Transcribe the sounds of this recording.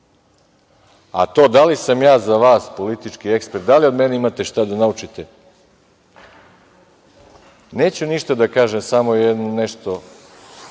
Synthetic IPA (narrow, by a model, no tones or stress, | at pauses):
a̰t̪o̞ːd̪alisamjaːzaʋaːspo̞lit̪it͡ʃkie̞kspeɾt̪d̪alio̞d̪meneimat̪e̞ʃt̪ad̪anaut͡ʃit̪e | ne̞ːt͡ɕuniʃt̪ad̪akaːʒemsamojed̪nuneʃt̪o̞